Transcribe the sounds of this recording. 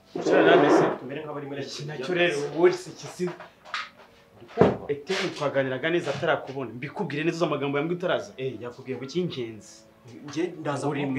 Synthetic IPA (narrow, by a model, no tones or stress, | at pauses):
t͡ʃoɾanamesetumeɾemhaβaɾimnaoɾewoɾisecisi | ɾikoeitemutwaːɡaːniɾaɡanezataɾakuβonambikubɡiːɾenezuzamaɡaːmboamuɡutaɾazaejakuɡiːɾeβuiɲt͡ʃeːnzi̥ | uɾi